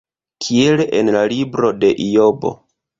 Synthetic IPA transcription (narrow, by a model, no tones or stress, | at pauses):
kʰie̞leʔenlalibɾo̞de̞ʔijo̞bo̞̰